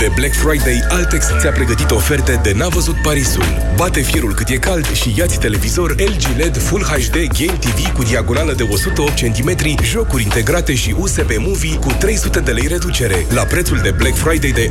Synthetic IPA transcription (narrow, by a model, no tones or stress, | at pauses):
pe̞blekfɾajd̪e̞jalt̪ekst̪seapɾe̞ɡət̪it̪o̞fe̞rt̪ed̪e̞navəzut̪̚paɾisṵl | bat̪e̞fjeɾulkɨt̪je̞kald̪ʃijat̪sʲt̪e̞le̞vizo̞rʲeld͡ʒile̞d̪fulhaʃd̪e̞ɡʲejmt̪ivikud̪iaɡo̞naləd̪e̞o̞sut̪əop̚t̪t͡ʃe̞nt̪ime̞t̪ɾiʒo̞kuɾʲint̪e̞ɡɾat̪e̞ʃiʔuse̞be̞muvikut̪ɾe̞jsut̪e̞d̪e̞le̞jre̞d̪ut͡ʃe̞ɾe̞lapɾe̞t̪suld̪e̞blekfɾajd̪ejd̪e̞